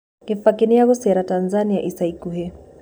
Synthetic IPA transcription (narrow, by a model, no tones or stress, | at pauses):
kɪfakinijaɣʊsɛɾatanzaniaʔisaikuɦɛ